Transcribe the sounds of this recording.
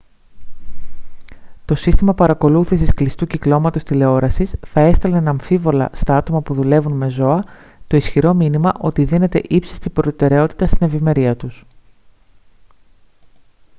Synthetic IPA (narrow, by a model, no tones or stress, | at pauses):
t̪o̞sist̪imɐpɐɾɐko̞luθisisklist̪uciklo̞mɐt̪o̞st̪ile̞o̞ɾɐsisθɐe̞st̪ɐlenɐɱfivo̞lɐ̰st̪ɐɐt̪o̞mɐpuðule̞vunme̞zo̞ɐ | t̪o̞isçiɾo̞minimɐʔo̞t̪iðine̞t̪e̞̰ʔipsi̥st̪ipɾo̞t̪e̞ɾe̞o̞t̪i̥t̪ɐst̪ine̞vime̞ɾiɐt̪us